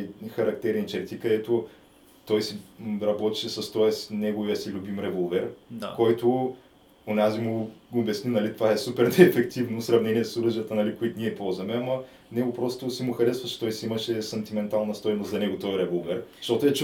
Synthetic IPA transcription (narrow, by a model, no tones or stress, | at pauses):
jxɐɾɐkt̪ɛɾint͡ʃɛt̪ikɐd̪ɛt̪ʊ | t̪ɔjsiɾɐbɔt̪i̥ʃɛsɐst̪ɔɛsnɛɡʊviəsilʲubimɾɛvolˠvɛɾakɔjt̪ʊ | onazimuobjɐsninɐlit̪ovaɛsupɛɾnɛːfɛkt̪ivnosɾɐvnɛniɛsoɾɤʒijət̪ənɐlikʊit̪niɛipɔlˠzvɐmɛɐmɐ | nɛɡʊpɾɔst̪ʊsimʊxɐɾɛsvɐt͡ʃɛ̥t̪ɔjsiimɐʃɛsɐnt̪imɛnt̪alˠnɐst̪ɔjmʊoszɐnɛɡʊt̪ɔɾɛvolˠvɛɾʃt̪ɔt̪ʊɛt͡ʃ